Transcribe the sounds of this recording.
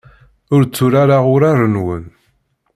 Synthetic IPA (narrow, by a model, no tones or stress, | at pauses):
ʊɾt͡sːʊɾaɾaʁʊɾarˤənwən